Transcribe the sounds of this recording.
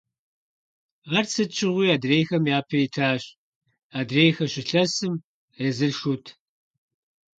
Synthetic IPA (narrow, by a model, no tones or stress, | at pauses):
ʁɐrt͡sʰɨt͡ʃʰɪʁʷiːaːdrejxɐmjaːpʰɐjitʰaːɕ | aːdreːjxɐɕɪɬɐsɨm | ezɨɬʃutʰ